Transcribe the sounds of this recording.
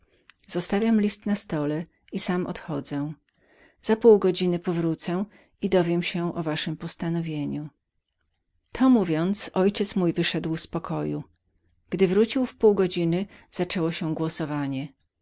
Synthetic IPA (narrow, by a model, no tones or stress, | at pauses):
z̥ɔst̪avʲjamlʲist̪nast̪ɔlɛ | isamʔɔ̰t̪xɔd̪zɛ̃ | z̥apuwɡɔd͡ʑinɘpɔvɾut̪sɛ | id̪ɔvʲjɛmɕɛʔɔvaʂɘmpɔst̪anɔvʲjeɲu | t̪ʰɔmuvʲjɔnt̪sɔjt͡ɕɛt̪smujvɘʂɛd̪wspɔkʰɔju | ɡ̥d̪ɘvɾut͡ɕiwfpuwɡɔd͡ʑinɘz̥at͡ʂɛwɔɕɛɡwɔsɔvaɲɛ